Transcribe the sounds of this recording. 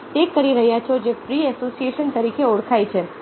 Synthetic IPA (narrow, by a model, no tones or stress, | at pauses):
t̪ekːəɾiɾəɦjat͡ʃʰod͡ʒepɾiɛsosieʃənt̪əɾikʰeoɽkʰajt͡ʃʰe